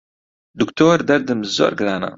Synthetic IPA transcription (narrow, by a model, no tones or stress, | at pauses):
d̪ukt̪ʰoːɾd̪ɛɾd̪ɨmzo̰ːɾɡɨɾaːna̰